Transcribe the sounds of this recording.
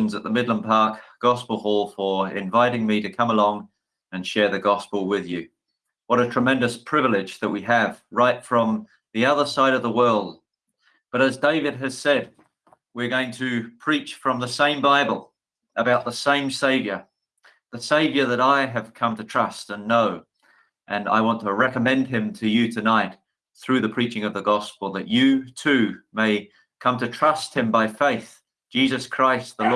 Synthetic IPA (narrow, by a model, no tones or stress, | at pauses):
nzət̪̚ðəmɪdˡlə̃npʰɑɹkɡ̥ɑspl̩ˠhɔlˠfə˞ɪ̰̃ɱvaɪɾɪ̃ŋmiɾɨkʰʌ̃məlɔ̃ŋ | ɨ̃nʃɛɹðɨɡɑspl̩ˠwɪðjʉ | wʌɾɨtʰɹ̥əmɛ̃ndɨspʰɹ̥ɪvl̩ˠɪd͡ʒðɨʔ̚wiɨv̥ɹaɪtfɹʌ̃m | ðiʌðə˞saɪɾʌvðəwɜ˞lˠd̚ | b̥ʌɾɨzdeɪvɨd̚ɨz̥sɛd̚ | wɪɹɡoʊɪ̃ŋtʰɨpʰɹ̥it͡ʃfɹʌ̃mðəsẽɪ̃mbaɪbəl̩ˠ | əbaʊt̪̚ðəsẽɪ̃mseɪvjə˞ | ðɨseɪvjə˞ðɨɾaɪɨv̥kʰʌ̃mtʰɨtʰɹ̥ʌstə̃nːoʊ | ʔɨ̃na̰ɪwɑ̃ntʰəɹɛkəmɛ̃nd̚ɨ̃mtʰɨjɨɾɨnaɪt̪̚ | θɹʉðɨpʰɹ̥it͡ʃɪ̃ŋʌvðəɡɑspl̩ˠðɨt͡ʃɨtʰʉmeɪ | kʰʌ̃mtɨtʰɹ̥ʌst̚hɨ̃mbaɪfeɪθ | d̥ʒ̥izɨskʰɹ̥aɪst̪̚ðəl